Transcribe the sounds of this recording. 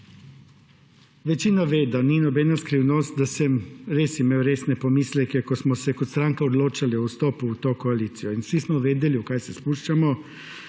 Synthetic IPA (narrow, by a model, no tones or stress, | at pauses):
ʋɛt͡ʃiːnaʋeːd̪aninɔbɛnaskɾiːwnɔst̪̚d̪asɛmɾeːsimeːwɾeːsnɛpɔmiːslɛkɛkɔsmɔsɛkɔt̪st̪ɾaŋkaɔd̪loːt͡ʃaliɔwst̪oːpuut̪oːkoaliːt̪sijɔinsismɔʋeːd̪ɛliukaːjsɛspuʃt͡ʃamɔ